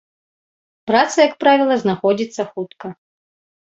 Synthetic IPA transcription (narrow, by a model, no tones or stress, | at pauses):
pɾat̪sɐjɐkpɾavʲilˠɐznaxɔd͡zʲit̪sːɐxut̪kɐ